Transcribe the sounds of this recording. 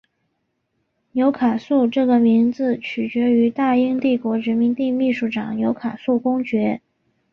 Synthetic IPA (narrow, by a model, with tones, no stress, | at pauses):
njo˧˥ʊkʰa˨˩su˥˧ʈ͡ʂɤ˥˩ɡə˩mi˧˥nd͡zɹ̩˧t͡ɕʰy˨˩t͡ɕɥɛ˧˥y˧˥t̪a˥˩i˥ŋt̪i˥˩kwɔ˧˥ɻə˧˥nmi˧˥ŋt̪i˥˧mi˥˧ʂu˥˩ʈ͡ʂɑ˨˩ŋnjo˧˥ʊkʰa˨˩su˥˩kʊ˥ŋt͡ɕɥɛ˧˥